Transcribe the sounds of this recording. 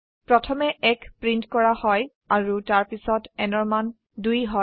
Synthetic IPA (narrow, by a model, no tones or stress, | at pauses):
pɹɔtʰɔmɛɛkpɹintkɔɹahɔj | aɹutaɹpisɔtɛnɔɹman | dujɦɔ